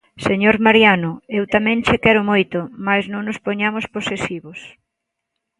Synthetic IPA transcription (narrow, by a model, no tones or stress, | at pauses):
seɲoɾmaɾjanʊewt̪amɛ̃ŋt͡ʃekɛɾʊmojt̪omaznõŋnʊspoɲamosposesiβos